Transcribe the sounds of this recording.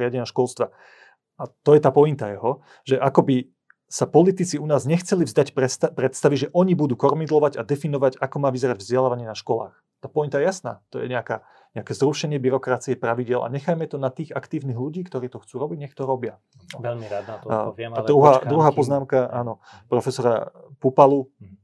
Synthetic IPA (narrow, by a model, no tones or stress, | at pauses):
ɪaɟɛɲaʃkɔlst̪ʋa | at̪ɔjɛt̪aːpɔint̪ajɛɦɔ | ʒɛʔakɔbi | sapɔlit̪it͡siunaːzɲɛxt͡sɛlivzd̪ac̪pɾɛt̪st̪aʋiʒɛʔɔɲibud̪uːkɔɾmid̪lɔʋaɟad̪ɛfinɔʋaɟakɔmaːʋizɛɾaɟvzɟɛlaːʋaɲɪɛnaʃkɔla̰ːx | t̪aːpɔint̪ajɛjasna̰ːt̪ɔjɛ̰ɲɛakaː | ɲɛakɛːzɾuʃɛɲɪɛbiɾɔkɾat͡siɛpɾaʋiɟɪɛlʔa̰ɲɛxajmɛt̪ɔnat̪iːɣakt̪iːʊniːɣʎuɟiːkt̪ɔɾiːt̪ɔxt͡suːɾɔbiɟɲɛxt̪ɔɾɔbɪa | ɔɛla | ad̪ɾuɦaːd̪ɾuɦaːpɔznaːmkaʔaːnɔ | pɾɔfɛsɔɾa̰pupalu